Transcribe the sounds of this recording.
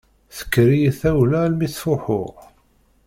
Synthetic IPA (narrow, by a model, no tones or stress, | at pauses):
θə̥kːɾijθæwlælmiθfʊħʊ̰ʁ